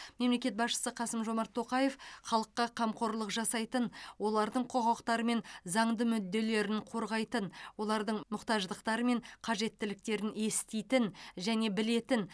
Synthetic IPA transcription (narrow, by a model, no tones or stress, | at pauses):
me̞mle̞kʲe̞t̪̚bɑsʃə̥səqʰɑsəmʒo̞mɑɾt̪ʰːo̞qɑje̞fχɑlˠəqːɑqʰɑmqʰo̞ɾlˠəqʒɑsɑjt̪ənwo̞lˠɑɾd̪əɴqʰo̞ʁɑqt̪ɑɾəme̞nzɑɴd̪əmʏd̪ːe̞le̞ɾɪɴqʰo̞ɾʁɑjt̪ənwo̞lˠɑɾd̪əɴmʊqt̪ɑʒd̪əqt̪ɑɾəme̞ɴqʰɑʒe̞t̪ːɪlɪk̚t̪e̞ɾɪne̞st̪ejt̪ɪnʒæne̞bɪle̞t̪ɪn